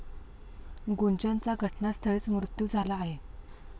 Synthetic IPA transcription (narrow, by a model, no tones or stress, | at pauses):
ɡont͡ɕant͡saɡʱəʈnast̪ʰəɭeːt͡smɾut̪juːd͡zʱalaːɦe